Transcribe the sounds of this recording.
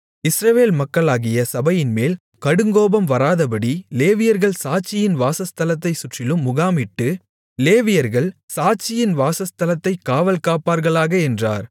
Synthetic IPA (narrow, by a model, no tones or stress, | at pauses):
ɪsɾɐʋeːlmɐkːɐɭaːɣɪjɐsɐbɐjɪnmeːl | kɐɽɯŋɡoːbɐmʋɐɾaːðɐpɐɽileːʋɪjɐɾɣɐɭsaːt͡ʃːɪjɪnʋaːsɐst̪ɐlɐt̪ːɐɪsʊʈrɪlɯmːʊɣaːmɪʈːɯ | leːʋɪjɐɾɣɐɭsaːt͡ʃːɪjɪnʋaːsɐst̪ɐlɐt̪ːɐɪkːaːʋɐlkaːpaːɾɣɐɭaːɣɐɛndra̰ːɾ